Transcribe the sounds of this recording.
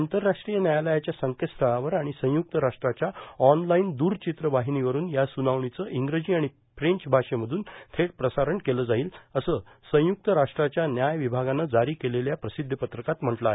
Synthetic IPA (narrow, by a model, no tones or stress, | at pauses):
ant̪əɾːaʂʈɾijənjajaləjat͡ɕjasəŋkəst̪ʰəɭaʋəɾaɽ̃isə̃juk̚t̪əɾaʂʈɾat͡ɕjaɔnlaind̪uːɾt͡ɕit̪ɾəʋaɦiniʋəɾuːnjasunaʋɳit͡səʔiŋɡɾəd͡ʑiːaɽ̃i | fɾeɲt͡ɕbʱaʂem̤əd̪ʱuːnt̪ʰeɽpɾəsaɾəɳkeləːd͡zaiːləsəː | sə̃juk̚t̪əɾaʂʈɾat͡ɕjanjajʋibʱaɡanːəd͡zaɾiːkeleljapɾəsid̪ʱːəpət̪ɾəkat̪m̤əʈlaɦe